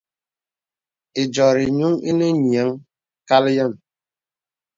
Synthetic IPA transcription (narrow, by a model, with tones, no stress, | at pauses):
i˨d͡ʒɔ˨ɾi˨ɲu˦ŋi˦ne˦ɲi˨a˨˦ŋ | ka˦ljə˦˨n